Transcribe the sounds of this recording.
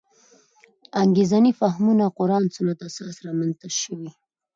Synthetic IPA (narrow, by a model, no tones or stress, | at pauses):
aŋɡezanifaɦmunaqʊɾɑnsʊnat̪asɑsɾɑmanst̪aʃəwi